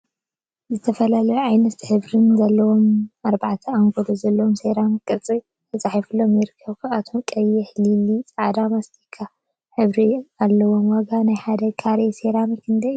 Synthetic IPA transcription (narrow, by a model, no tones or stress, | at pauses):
zɨt̪ʰɐfɐlɐlɐjuʕajnɐt̪ħɨβɾɨnzɐlːɐwomaɾbaʕt̪ʰɐaŋɡolʰozɐlːɐwomseɾamkʼɨɾt͡sʼi | t̪ʰɐt͡sʼaħifɨlːomjɪɾɨkʰːɐβkʰaat̪ʰokʼɐjːɛħlilit͡sʼaʕd̪amast̪ʰikʰːa | ħɨβɾialːɐwomwɐɡanajħad̪ɐkʰaɾeseɾamikʰɨnd̪ɐ